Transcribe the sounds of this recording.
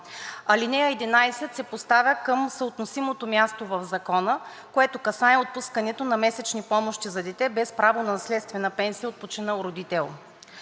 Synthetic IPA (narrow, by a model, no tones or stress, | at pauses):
ɐlinɛjəɛd̪inajsɛt̪sɛpost̪avʲjəkɤmsəot̪nosimot̪omʲjast̪ovɐvzɐkɔnə | koɛt̪okɐsaɛot̪̚puskɐnɛt̪onɐmɛsɛt͡ʃnipɔmoʃt̪izɐd̪ɛt̪ɛbɛspɾavonɐslɛt̪st̪vɛnɐpɛnsijəot̪̚pot͡ʃinəlˠɾod̪it̪ɛlˠ